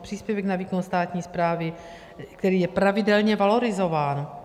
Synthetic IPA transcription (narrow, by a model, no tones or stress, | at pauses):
pr̥iːspjɛvɛknaviːkonst̪aːt̪ɲiːspɾaːvɪ | kt̪ɛɾiːjɛpɾavɪdɛlɲɛvalo̞ɾɪzo̞vaːn